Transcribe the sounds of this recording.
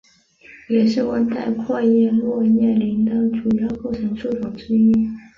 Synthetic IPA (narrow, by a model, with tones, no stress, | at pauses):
jɛ˨˩ʂɻ̩˥˩wə˥nt̪ʰa˥˧ɪkʰwa˥˧jɛ˥˧nlwɔ˥˧jɛ˥˩nli˧˥nd̪ə˥˧ʈ͡ʂu˨˩jɑ˥˧ʊko˥˩ʊʈ͡ʂʰɤ˧˥ŋʂu˥˩ʈ͡ʂʰʊ˨˩ŋʈ͡ʂ̩˥i˥˩n